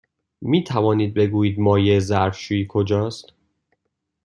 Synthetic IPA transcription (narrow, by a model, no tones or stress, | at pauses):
miːt̪ʰævɒːniːd̪̚be̞ɡuːjiːd̪mɒːjezæɾfʃuːiːkʰod͡ʒɒːst̪